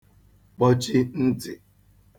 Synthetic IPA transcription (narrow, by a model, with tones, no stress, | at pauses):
k͡pɔ˦t͡ʃi˦n̩˦dɪ̰˨